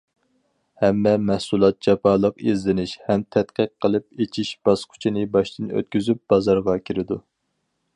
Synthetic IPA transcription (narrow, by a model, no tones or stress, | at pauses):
hɛmːɛmɛhsulˠɑt̪̚d͡ʒɑpʰɑlˠəqezlɪnɪʃhɛmt̪ʰɛt̪qʰəqʰːəlˠɨp̚et͡ʃʰiʃb̥ɑsqʰʊ̥t͡ʃʰinɪbɑʃt̪ɨnø̰t̪̚kʲyzyp̚b̥ɑzɑɾʁɑkʲʰiɾɪd̪u